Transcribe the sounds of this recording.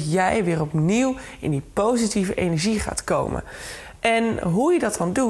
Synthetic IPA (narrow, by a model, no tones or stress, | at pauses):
jɛjʋɪːrɔpniw | ɪ̰ndipowzitivəʔejnɛɹʒiχa̰ːtko̰wmʔə̰n | ʔɛnɦujədɑtɑndu